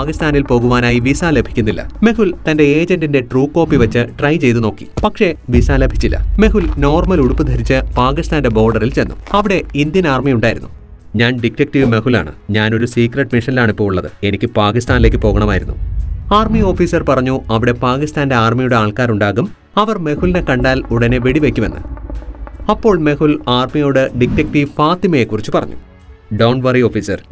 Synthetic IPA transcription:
aːkist̪aːnilpo̞ːɣuʋaːnaːjiʋisaːle̞bʱi̥kʲːunːilːɐ̰me̞hult̪ɐnde̞eːd͡ʑɐndinde̞ʈruːkːo̞ːpːiʋɐt͡ɕːɨʈrɐjt͡ɕe̞jt̪̬uno̞ːkːi̥̰pɐkʂe̞ʋisaːle̞bʱit͡ɕːilːɐ̰me̞ɦulno̞ːrmɐluɽupːud̪ʱɐɾit͡ɕːɨpaːkist̪aːnde̞bo̞ːɖɐrilt͡ɕe̞nːṵɐʋiɽe̞ind̪jɐnaːrmijuɳɖaːjiɾunːu | ɲaːnɖikɾek̚ʈiʋɨme̞ɦula̰ːɳɨ̰ɲaːno̞ɾusiːkreʈmiʂɐnilaːɳipːoːɭuɭːɐðɨ̰e̞nikʲːɨpaːkist̪aːnileːkːɨpo̞ːɣɐɳɐmaːjiɾunːuaːrmio̞ːfiːsɐrpɐrɐɲːuɐʋiɽe̞paːkist̪aːnde̞aːrmijuɽeaːɭkaːɾuɳɖaːɣum | ɐʋɐrme̞ɣulne̞kɐɳɖaːluɽɐne̞ʋeɽiʋekʲːuʋḛnːɨ̰ | ɐpːo̞ːɭme̞hulaːrmijoːɽɨɖik̚ʈːɐk̚ʈiʋfaːt̪imɐje̞kːurit͡ɕːupɐrɐ̰ɲːu̥̰ | ɖɐwɳʋɐrio̞ːfiːsɐr

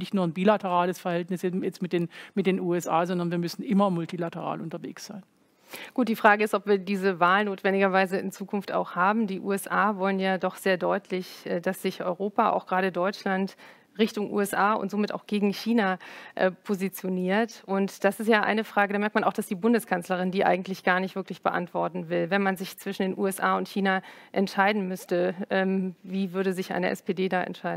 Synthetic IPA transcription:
nɪçtnuːɐnbiːlatəʁaːləsfɛɐhɛltnɪsɛjɛt͡stmɪtd̥eːnmɪtd̥eːnuːɛsaːzɔndɐnviːɐmʏsn̩ʔɪmɐmʊltilatəʁa̰ːlʔʊntɐvḛːksz̥aɪn | ɡ̥uːt̚d̥iːfʁ̥aːɡəɪstɔpv̥iːɐdiːzəvaːlnoːtv̥ɛndɪɡɐvaɪzəɪ̰nt͡suːkʰʊnfta̰ʊxhaːbm̩diːʔṵːɛsʔaːvɔlənjaːdɔχz̥eːɐdɔʏtʰlɪçdasz̥ɪçʔɔ̰ʏʁoːpaʔa̰ʊxɡ̥ʁaːɾədɔʏt͡ʃlant | ʁɪçtʊŋʔṵːɛsʔaːʊ̰ntz̥oːmɪta̰ʊxɡ̥eːɡŋ̩çiːnaʔɛpʰozit͡sjoniːɐtʔʊntd̥asɪstjaːʔa̰ɪnəfʁ̥aːɡədamɛɐtmanaʊxd̥asd̥iːbʊndəskʰanslɐʁ̞ɪndiːʔa̰ɪɡŋ̩tlɪçɡ̥aːɐnɪçtv̥ɪɐklɪçb̥əʔa̰ntv̥ɔɐtn̩vɪlvɛnmanzɪçt͡sv̥ɪʃn̩deːnʔuːɛsʔaːʊntçiːnaʔɛntʃaɪdn̩mʏstəʔɛːmviːvʏɐɾəzɪçʔa̰ɪnəʔɛ̰speːdeːdaːʔɛ̰ntʃaɪdn̩

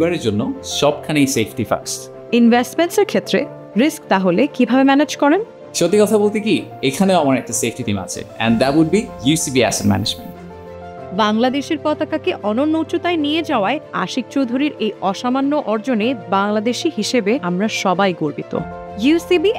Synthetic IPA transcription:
baɾeɾd͡ʑonːoʃɔb̚kʰanejsefʈifa̰ks | invʱesʈmenseɾkʰet̪ːɾe | ɾiskt̪aɦolekibʱabemɛned͡ʑkɔɾen | ʃot̪ikɔt̪ʰabolt̪iki | ekʰaneoamaɾɛk̚ʈasefʈit̪ima̰t͡ɕʰḛɛ̰̃nɖd̪ɛʈwuɖ̚bijusibiæ̰sedmæ̰ned͡ʑmḛ̃nʈ | baŋlad̪eʃeɾpɔt̪akakeʔɔnonːowt͡ɕut̪ajnijed͡ʑaoaea̰ʃik̚t͡ɕowd̪ʱuɾiɾejɔʃamanːoʔɔɾd͡ʑonebaŋlad̪eʃiɦiʃebeamɾaʃɔbajɡoɾbit̪o̰ | jusibi

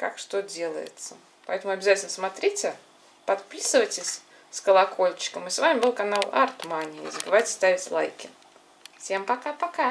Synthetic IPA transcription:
kakʂt̪odʲe̞lˠə̰jɪ̰t̪sə | pɐɛt̪əmʊɐbʲɪzatʲɪlʲnəsmɐt̪ɾʲitʲɪ | pɐt̪pʲisɨvətʲɪsʲ | skəlˠɐkʰo̞lʲt͡ɕɪ̥kəmɨsvamʲɪbɨlˠkɐnalˠa̰rt̪manʲɪ̰zəbɨvajtʲɪ̥st̪avʲɪtʲlˠa̰jkʲɪ | fsʲe̞mpɐkapɐka

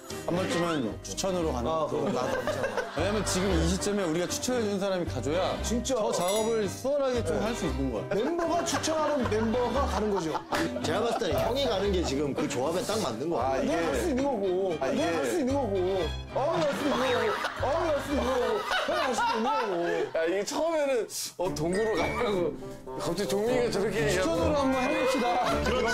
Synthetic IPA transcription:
ambaɭt͡ɕ͈ʰimʌnt͡ɕʰu̥t͡ɕʰʌnɯɾokanɯɯnaɡaaweɲaɦamjʌnt͡ɕiɡɯmiɕ̬ʰit͡ɕ͈ʌme̞uɾiɡat͡ɕʰu̥t͡ɕʰʌʌd͡ʑɯnsʰaɾamikad͡ʑojat͡ɕint͡ɕ͈aʌt͡ɕaɡʌbɯɭsʰɯʌɾɦaɡet͡ɕ͈omhaɭs͈uinːɯnɡʌjo̰membʌɡat͡ɕʰut͡ɕʰʌnɦanɯnme̞mbʌɡakanɯnɡʌd͡ʑiot͡ɕe̞amas͈t͈ançjʌŋiɡanɯnɡe̞t͡ɕiɡɯmkɯt͡ɕoabet͈aŋmanːɯnɡʌineemaɭs͈uinːɯnɡʌɡoainemaɭs͈uinːɯŋɡʌɡo | ʌmaɭs͈ɯinːɯŋɡʌɡoʌmaɭs͈udinːɯŋɡʌɡonemaɭs͈uduinːɯnɡʌɡojaiɡet͡ɕʰʌɯme̞nɯn | ʌtoŋɡuɾɯɭkaaɡo | kap̚t͡ɕ͈et͡ɕoŋmiɡet͡ɕʌɾkʰeʌd͡ʑʌɾoɦamɡʌnɦaɭɡʌpɕ͈idakɯɾʌ

